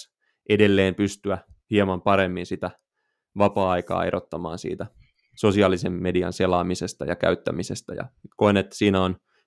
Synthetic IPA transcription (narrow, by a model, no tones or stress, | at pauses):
ʔedelːeːmpyst̪yæhiemɑmpɑɾemːinsit̪æ | ʋɑpɑːɑikɑ̰ːe̞ɾrot̪ːɑmɑ̰ːnsḭːt̪æ | so̞siɑːlisemːediɑ̰nselɑːmisest̪ɑ̰jɑkæ̰yt̪ːæmisest̪ɑ̰jɑ̰koinet̪ːæ̥siːnæon